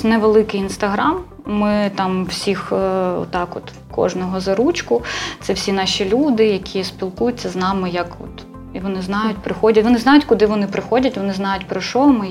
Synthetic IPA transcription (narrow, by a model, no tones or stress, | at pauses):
nɛʋelˠɪkɪjinst̪ɐɦɾɑmː | ɪt̪ɑmwsʲixɔ̰t̪ɑkɔ̰t̪ | kɔ̰ʒnɔɦɔzɐɾut͡ʃkʊt̪sɛwsʲinɑʃʲilʲud̪ɪjɐkʲʰispʲilˠkujʊtʲt͡sʲːɐznɑmɪjɐkɔ̰t̪ | iʋɔnɪznɑjʊtʲpɾɪxɔdʲɐtʋɔnɪznɑjʊtʲkʊd̪ɪʋɔnɪpɾɪxɔdʲɐtʲʋɔnɪznɑjʊtʲpɾɔʃɔmɪ